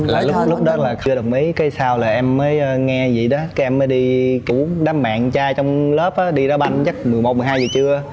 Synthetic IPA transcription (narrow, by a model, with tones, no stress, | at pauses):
laː˨˩lʊ˦˥p̚lʊ˦˥k͡p̚ɗɔ˨˦laː˨˩t͡ɕɨ˧əɗə˨˩wk͡p̚mi˨˦jkaː˨˦jsaː˧wlaː˨˩ʔɛ˧mːəː˨˦jːŋɛ˧zḭ˧˨ɗɔ˨˦kaː˨˦jʔɛ˧mːəː˨˦jɗi˧t͡ɕu˧˩˦ɗaː˨˦mma̰ː˧˨nt͡ɕaː˧t͡ɕɔ˧wŋ͡mləː˦˥p̚ʔaː˨˦ɗi˧ɾɔ˨˦ɓa˧nɲə˦˥t̚mɨ˨˩əjmo˨˩t̚mɨ˨˩ɦaː˧jzɨː˨˩t͡ɕɨ˧ə